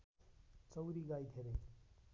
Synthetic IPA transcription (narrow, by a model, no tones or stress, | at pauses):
t͡səwɾiɡajt̪ʰeɾe